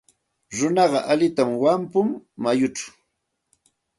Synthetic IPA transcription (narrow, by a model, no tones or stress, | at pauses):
ɾʊnɑɢɑʔalɪt̪amwampʊmːajʊt͡ʃḁw